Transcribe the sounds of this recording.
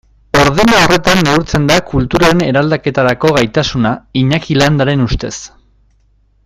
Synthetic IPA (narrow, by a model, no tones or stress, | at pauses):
o̞ɾðenao̞re̞t̪anːeuɾt͡se̞nd̪akult̪uɾaɾene̞ɾald̪ake̞t̪aɾako̞ɣajt̪asunaiɲakiland̪aɾe̞nust̪e̞s